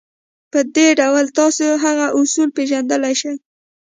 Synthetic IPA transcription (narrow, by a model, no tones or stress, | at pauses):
pəd̪eɖawəlt̪ɑsoɦaɣaʔʊsulpeʒand̪əlajʃəj